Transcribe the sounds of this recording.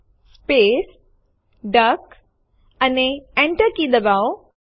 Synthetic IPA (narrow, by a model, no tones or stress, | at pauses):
speːs | ɖək | əneẽɳʈəɾkid̪ɐbao